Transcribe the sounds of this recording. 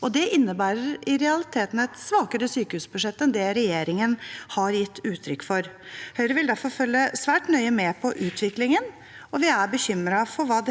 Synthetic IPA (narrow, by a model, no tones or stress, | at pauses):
ɔd̪ɛʔɪnːəbæːɾəɾɪɾɛɑlɪt̪ʰeːt̪n̩ɛt̪sʋɑːkəɾəsyːkəhʉːsbʉʂɛt̪ːɛnd̪ɛːɾɛjeːɾɪŋənhɑɾjɪt̪ːʉːt̪ʰɾʏkːfɔɾ | hœʏɾəʋɪld̪æɾfɔɾfœlːəsʋæːʈnœʏəmɛpʰɔʔʉːt̪ʰʋɪklɪŋən | ɔʋɪæɾbəçʏmɾɑfɔɾʋɑːd̪ɛ